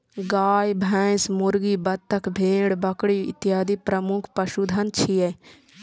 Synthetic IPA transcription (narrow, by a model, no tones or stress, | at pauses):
ɡaːjbʱɛ̃ːsmʊɾɡibɐt̪ʰːɐkʰbʱeːɽbɐkɽiɪ̰t̪jaːd̪ipɾɐmukʰpɐʃud̪ʱɐnt͡ʃʰijɛ